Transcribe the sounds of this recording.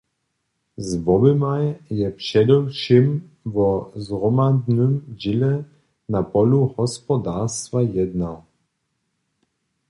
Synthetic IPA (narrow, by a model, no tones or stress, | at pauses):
zvɔbɪmajjɛpʂɛd̪ɛwʃɪm | vɔzʁɔmad̪nʏmd͡ʑilɛ | napɔluhɔspɔd̪aʁst̪vajɛd̪na